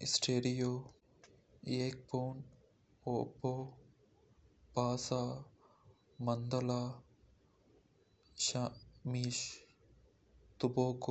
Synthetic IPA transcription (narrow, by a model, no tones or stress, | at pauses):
ɪsʈeːɾijoː | jeːk̚poːn | obo | paːsaː | mɐnd̪əla | ʃamiːʃ | t̪ʊboːko